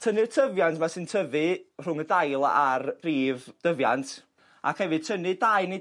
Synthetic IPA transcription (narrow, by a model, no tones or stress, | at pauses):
tʰənɨrtʰəvjantʰmasɨntʰəvɨr̥ʊŋədajlˠa̰arriːvd̥əvjantʰ | a̰khɛvɨ̥tʰənɨdajni